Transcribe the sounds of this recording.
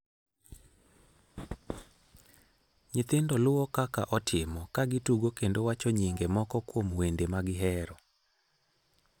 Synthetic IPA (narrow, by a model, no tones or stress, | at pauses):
ɲɪt̪ɪndɔlʊwɔkakaʔɔtʰɪmɔkaɡɪtuɡokendowat͡ʃɔɲiŋɡemɔkɔkwomwendemaɡɪɦɛɾɔ